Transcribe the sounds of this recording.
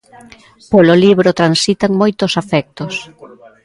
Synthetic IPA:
pololiβɾot̪ɾansit̪aŋmojt̪ʊsafɛk̚t̪os

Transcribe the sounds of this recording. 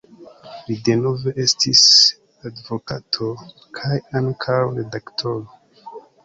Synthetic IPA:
lidenoveʔestʰis | advokatʰo | kʰajankʰawɾedaktʰolo

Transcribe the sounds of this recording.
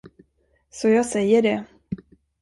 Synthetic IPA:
sɔjɑːɡsɛjːəɖɛ

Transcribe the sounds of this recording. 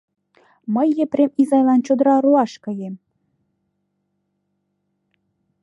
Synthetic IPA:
məjːepremizɑjlɑnt͡ɕod̪ɤ̆ɾɑɾuɑʃkɤ̆jem

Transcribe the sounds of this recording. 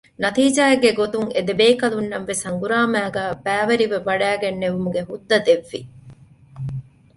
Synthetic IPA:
nɐt̪iːd͡ʒaːeɡːeɡot̪uŋed̪ebeːkɐlunːɐmʋesɐŋɡuɾaːmæːɡæːbæːʋɐɾiʋeʋɐɖæːɡenːeʋumuɡeɦud̪ːɐd̪eʋːḭ

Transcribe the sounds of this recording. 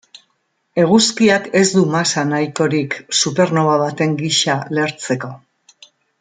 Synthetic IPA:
e̞ɣ̞uskiake̞zd̪umasanajko̞ɾiksupe̞ɾno̞βaβat̪e̞ŋɡiʃale̞ɾt͡se̞ko̞

